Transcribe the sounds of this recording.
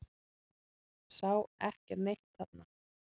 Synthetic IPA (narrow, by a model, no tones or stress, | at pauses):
sawɛhcɛɾnejht̪hat̪na